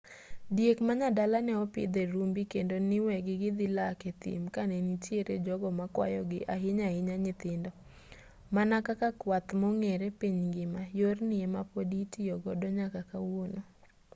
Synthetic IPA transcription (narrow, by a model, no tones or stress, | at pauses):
djekmaɲadalanɛɔpɪ̰d̪ɛɾumbikendonɪwɛɡɪɡɪd̪ɪlaket̪ɪ̰mkanɛnitjeɾed͡ʒɔɡɔmakwa̰jɔɡɪʔaɦɪɲaɪɲaɲɪt̪ɪndɔ | manakakakwat̪mɔŋeɾepiɲŋɡɪmajornɪɛmapoditiɔɡɔdɔɲakakawono